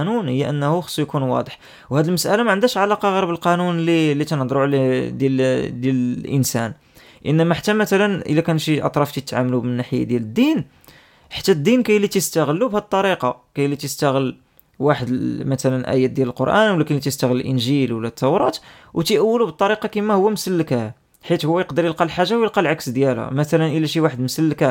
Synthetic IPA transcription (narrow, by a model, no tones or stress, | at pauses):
nunhəjːæʔənːhuxsˤːujkunwɑ̰d̪ˤəħ | whæd̪əlməsʔælamæʕənd̪æʃʕalɑqɑɣəɾˤbəlqɑnunlilːit̪ænəd̪ˤɾˤoʕld̪jæld̪jæləʔənsæ̰n | ʔənːæmæħḁt̪ːæmæt̪ælənʔə̰lːækænʃiʔɑ̰t̪ˤɾˤɑft̪it̪ːʕamlubənːaħəjːa̰d̪jæləd̪ːin | ħḁt̪ːæd̪ːinkæjlːit̪əst̪əɣəlːubhæd̪ət̪ˤːɑɾiqɑkæjlːit̪əst̪æɣəl | waħəd̪əmæt̪ælənʔæ̰jæt̪̚d̪jæləlqoɾʔæ̰nwəlːækənlit̪əst̪əɣələlʔənʒilwəlːæt̪ʰːɑwɾˤɑt̪ | wt̪iʔæwːəlubət̪ˤːɑɾiqɑkimæhʊwːæməsəlːəkæ | ħit̪hʊwːæjəqd̪əɾjəlqɑlħaʒːawjəlqɑlʕaksd̪jælhæ̰mæt̪ælənʔəlːæʃiwaħəd̪məsəlːəkæ